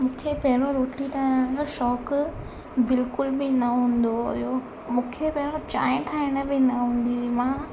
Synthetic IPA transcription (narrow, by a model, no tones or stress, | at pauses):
mũːkʰepɐɦɪɾoɾoːʈiʈʰaːɪɽ̃ʃɔːk | bɪlkʊlbɪnɐɦũːn̆d̪oɦʊ̰jo | mũːkʰepɐɦɪɾot͡ɕa̰ːɪ̃ʈʰaːɪɽ̃əbɪnɐɦũːn̆d̪imã